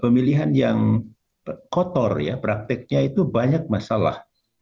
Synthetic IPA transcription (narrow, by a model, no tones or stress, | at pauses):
pəmiliɦanjaŋ | kɔt̪ɔrja̰pɾak̚t̪ɪk̚ɲait̪ubaɲak̚masala̰h